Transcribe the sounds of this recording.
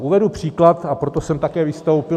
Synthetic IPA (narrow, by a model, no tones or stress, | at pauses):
ʔuvɛdupr̝̥iːklat̪apɾo̞t̪o̞sɛmt̪akɛːvɪst̪o̞wpɪ